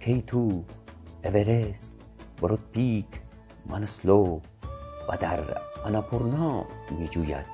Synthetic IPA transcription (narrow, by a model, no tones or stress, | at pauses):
kʰejt̪ʰu | eʋeɾest̪ | bəɾot̪̚pik | manəslo | bɐ̰d̪a̰ɾɐnapuɾnamid͡ʒuja̰t̪̚